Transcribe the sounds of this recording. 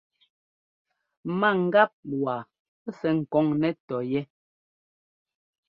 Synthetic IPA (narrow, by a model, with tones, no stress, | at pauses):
ma˦˨ŋ̩˦ɡa˦p̚wa˨˦ | sɛ˨ŋ̩˨kɔ˨˦ŋnɛ˦tɔ˨jɛ˦